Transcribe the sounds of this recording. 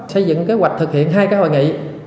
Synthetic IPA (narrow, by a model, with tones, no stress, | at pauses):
sə˧jzɨ̰˧˨ŋke˨˦˥wk̚t̪ʰɨ˨˩k̚hḭ˧˨ənɦaː˧jkaː˨˦˥kho̰˧˨ŋḭ˧˨